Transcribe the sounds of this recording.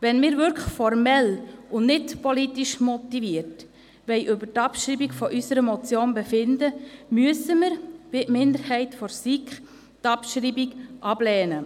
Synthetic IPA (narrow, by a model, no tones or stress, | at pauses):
ʋɛnmɪːɾvʏɾkʰəχfɔɾmɛlʊnnɪtpɔlitiʃmɔtiʋiəɾt | ʋɛɪʔʏbəɾtɑpʃɾiːbikfɔʔysəɾəmɔt͡sjoːnbɛfɪndəmyəsəməɾvɪʔmɪnd̪əɾhɛɪtfɔɾsikχ | tɑpʃɾiːbikʔɑb̥lɛːnə